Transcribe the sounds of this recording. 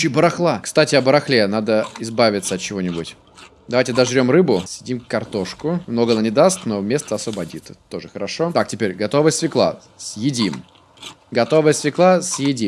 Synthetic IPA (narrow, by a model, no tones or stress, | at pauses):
t͡ɕɪbəɾɐxlˠakst̪atʲɪɐbəɾɐxlʲenad̪əɪzbavʲɪt̪səɐt̪̚t͡ɕɪvo̞nʲɪbʊtʲ | d̪ɐvajtʲɪd̪ɐʐɾʲo̞mrɨbʊsʲɪdʲimkkɐrt̪o̞ʂkʊmno̞ɡəɐnanʲɪd̪ast̪no̞mʲe̞st̪əɐsvəbɐdʲit̪ət̪o̞ʐɨxəɾɐʂot̪ak̚tʲɪpʲeɾʲɡɐt̪o̞vəsʲvʲɪklˠa̰ | sjɪdʲim | ɡɐt̪o̞vəjsʲvʲɪklˠasjɪdʲi